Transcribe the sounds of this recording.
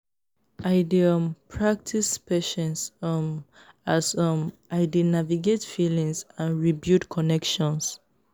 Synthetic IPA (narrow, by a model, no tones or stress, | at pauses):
ʔaɪdiɔ̃mpʰɹak̚tʰispɛʃɛ̃nsm | asɔ̃mʔaɪdinaviɡetfilĩŋsãnɹibjudkʰɔnɛkʃɔ̃ns